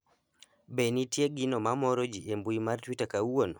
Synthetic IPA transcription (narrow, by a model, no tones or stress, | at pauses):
benitjeɡinɔmamɔɾɔd͡ʒiʔembuimartwitakawon